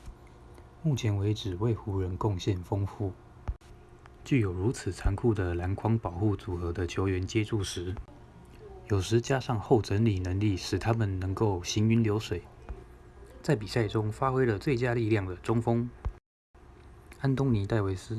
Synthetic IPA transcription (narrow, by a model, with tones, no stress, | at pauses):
mu˥˩t͡ɕʰjɛ˧˥nwe˧˥ɪʈ͡ʂɻ̩˨˩we˥˩ɪxu˧˥ɻə˧˥nkʊ˥˧ŋɕjɛ˥˩nfɤ˥ŋfu˥˩ | t͡ɕy˥˩jo˨˩ʊɻu˧˥t͡s̩ʰ˨˩t͡sʰa˧˥ŋkʰu˥˩d̪ə˩la˧˥nkʰwɑ˥ŋpɑ˨˩ʊxu˥˩t͡su˨˩xɤ˧˥d̪ə˧t͡ɕʰjo˧˥ʊɥɛ˧˥nt͡ɕjɛ˥ʈ͡ʂʰu˥˩ʂɻ̩˧˦ | jo˨˩ʊʂɻ̩˧˥t͡ɕja˥ʂɑ˥˧ŋxo˥˩ʊʈ͡ʂə˧˥nli˨˩nə˧˥ŋli˥˩ʂɻ̩˨˩t̪ʰa˥mə˨nnə˧˥ŋko˥˩ʊɕi˧˥ny˥nljo˧˥ʊʂwe˨˩ɪ | t͡sa˥˩ɪpi˨˩sa˥˩ɪʈ͡ʂʊ˥ŋfa˥xwe˥ɪlə˨t͡swe˥˨ɪt͡ɕja˥li˥˧ljɑ˥˩ŋd̪ə˩ʈ͡ʂʊ˥ŋfɤ˥ŋ | a˥nt̪ʊ˥ŋni˧˥t̪a˥˩ɪwe˧˥ɪs̩˥